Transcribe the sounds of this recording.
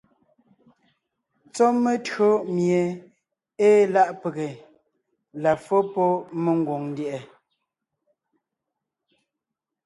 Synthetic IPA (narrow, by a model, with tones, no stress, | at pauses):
t͡sɔ˦me˦tɰo˦mje˨ | eː˦la˦ʔpe˨ɣe˨ | la˨fɔ˦pɔ˦me˨ŋ˦ɡwo˨ŋn˦djɛ˨ʔɛ˨